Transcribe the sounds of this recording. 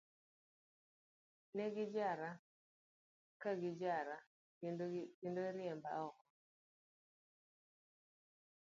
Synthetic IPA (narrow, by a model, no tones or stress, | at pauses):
nɛɡɪd͡ʒaɾa | kaɡɪd͡ʒaɾa | kendoɾɪɛmba̰ɔkɔ